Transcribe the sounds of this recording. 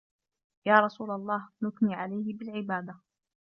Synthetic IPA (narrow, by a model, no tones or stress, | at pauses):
jaːɾˤɑsuːlalˤːɑːhnʊkniːʕalajhɪbɪlʕɪbaːd̪a